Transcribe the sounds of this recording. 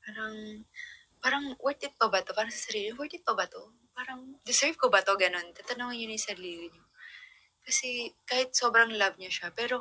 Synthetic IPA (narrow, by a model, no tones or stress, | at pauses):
paːɾɐŋ | paːɾɐŋwɛɹt̪ɪt̪̚pɐbɐt̪opaːɾɐŋsɐsɐɾiːlɪwɛt̪ɪt̪̚pɐbɐt̪o | paːɾɐŋd̪ɪsɛɹvkobɐt̪o̞ɡɐno̞nt̪at̪ɐnoːŋɐnɲʊnɐsɐɾliːɡɪɲo | kɐsɛkaːhɪt̪̚so̞ːbɾɐŋlɐb̚ɲoʃapɛːɾo̞